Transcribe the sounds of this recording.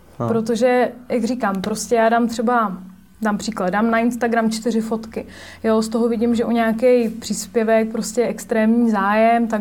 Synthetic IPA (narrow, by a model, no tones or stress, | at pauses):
pɾo̞t̪o̞ʒɛjaɡrikaːmpɾoscɛjaːdaːmt̪r̥ɛba | daːmpr̥iːklad̪daːmnaɪnst̪aɡɾamt͡ʃt̪ɪrɪfo̞t̪kɪ | jost̪o̞ɦovɪɟɪmʒɛʔuɲaakɛjpr̝̥iːspjɛvɛk̚pɾoscɛjʔɛkst̪ɾɛːmɲiːzaːjɛmt̪a